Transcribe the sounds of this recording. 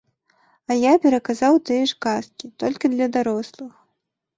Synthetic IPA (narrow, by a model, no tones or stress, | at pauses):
ɐjapʲɛɾɐkazawt̪ɨjɛʂkaskʲit̪ɔlʲkʲid̪lʲɐd̪aɾɔslˠɨx